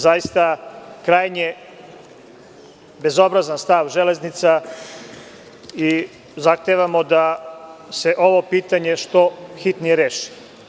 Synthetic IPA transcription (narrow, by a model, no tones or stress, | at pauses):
zajist̪akɾaːjɲe | be̞zo̞bɾazanst̪aʋʒele̞znit̪sa | i | zaxt̪eʋamo̞d̪ase̞ʔo̞ʋo̞piːt̪aɲe̞ʃt̪oxit̪nijeɾeːʃi̥